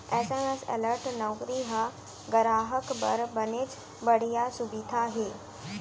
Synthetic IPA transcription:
ɛːsãjãsɛ̰ləɾʈnɔwkɾiɦə | ɡəɾaːɦəkbə̰ɾbənet͡s | bəɽ̤ijasubid̪ʱaɦeː

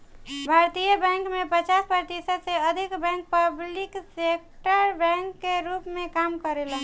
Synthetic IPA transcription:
bʱaɾt̪ijəbɛ̃ŋkmepət͡ʃaspɾət̪isəd̪seəd̪ʱikbɛ̃ŋk̚pəbliksek̚ʈəɾbɛ̃ŋkːeɾupmekamkəɾelɦ

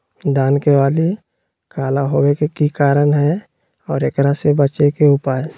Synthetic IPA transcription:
d̪aːnkewaːli | kʰaːlaɦoːwekekikaːɾənɦɛ | ɔːɾekɾasebət͡ʃekeʊpaːe

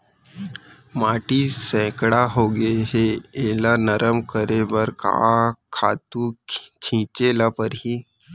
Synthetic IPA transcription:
maːʈisɛ̃ːkɽaɦoːɡeɦeeːlanəɾəmkəɾebəɾka̰kʰa̰ːt̪ũt͡ʃʰĩːt͡ʃelapəɾɦiː

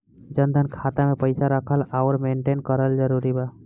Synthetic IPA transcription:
d͡ʒənd̪ʱənkʰat̪amepəɪsaɾəkʰəlaʊɾmeːɳʈenkəɾəld͡ʒəɾuɾiba

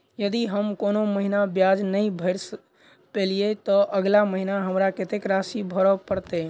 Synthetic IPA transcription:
jəd̪iɦəmkonoməɦinabjad͡ʒnəĩbʱəɾs | peliet̪ɔʔəɡlaməɦinaɦəmɾaket̪ekɾasibʱɔɾɔpəɾt̪e

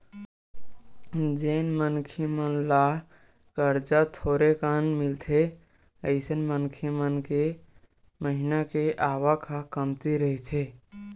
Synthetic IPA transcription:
d͡ʒeːnmənkʰimənla | kəɾd͡ʒat̪ʰoːɾekaːnmɪlt̪ʰe | əɪsənmənkʰimənke | məɦɪnakeʔaːʋakʰakəmt̪iɾəɦit̪ʰeː

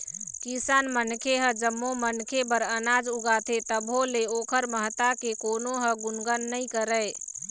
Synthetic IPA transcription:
kisanmənkʰeɦəd͡ʒəmːomənkʰebəɾənad͡ʒuɡat̪ʰet̪əbʱoleokʰəɾməɦt̪akekonoɦəɡunɡənːəkəɾəj

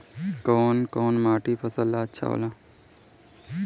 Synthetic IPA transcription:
koːnkoːnmaːʈipʰəsəlːatːʃʰa̰o̰lã

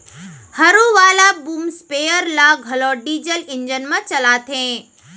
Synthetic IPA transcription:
hɐɾũʋaːlabuːmspeːjəɾlaːɡʱɐloːɖiːd͡ʑəlɪ̃ɲd͡ʒənmãt͡ɕɐlaːt̪ʰẽː

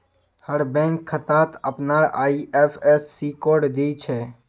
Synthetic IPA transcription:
həɾbɛ̃ːŋkʰːət̪aːt̪əpnaːɾa̰ːiʔeːpʰesːiːkoːɾɖd̪eːt͡ʃʰɛː

